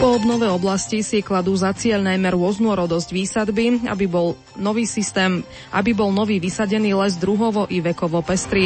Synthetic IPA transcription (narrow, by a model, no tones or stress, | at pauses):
pɔɔbnɔʋɛɔblascisiklad̪uːzat͡sɪɛʎnajmɛɾʊɔznuɔɾɔd̪ɔzɟʋiːsad̪biabiɔl | nɔʋiːsist̪ɛːm | ʔa̰bibɔlnɔʋiːʋisaɟɛniːlɛzd̪ɾuɦɔʋɔʔiʋɛkɔʋɔpɛst̪ɾi